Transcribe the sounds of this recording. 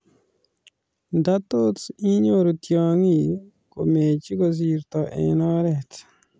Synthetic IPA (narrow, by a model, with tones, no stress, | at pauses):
da˦t̪o˦si˦ɲo˦ɾo˨tjɔ˨ŋi˨ | ko˨me˨t͡ʃi˦ko˨s̬i˨ɾt̪ɔ˨ʔɛ̰˨nɔ˦ɾɛ˨t